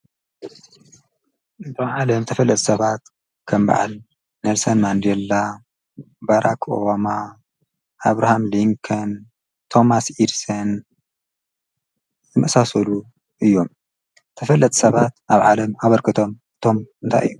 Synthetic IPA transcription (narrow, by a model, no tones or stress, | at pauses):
ʔɨt̪ʰomʕalɐmt̪ʰɐfɐlːɐt̪ʼsɐβat̪ | kʰɐmba̰ʕa̰l | neɾsɐnmand̪elːa | baɾʔako̞̰βama | ʔaβɾahamliŋkʰɐn | t̪ʰo̞masiɾsɐn | zɨmɐʔsasɐlu | ʔɨjːo̞m | t̪ʰɐfɐlːɐt̪ʼsɐβat̪̚ʔaβʕalɐmaβɐɾkʰɨt̪ʰo̞m | ɨ̥t̪ʰo̞mɨnt̪ʰa̰jʔɨ̰jːu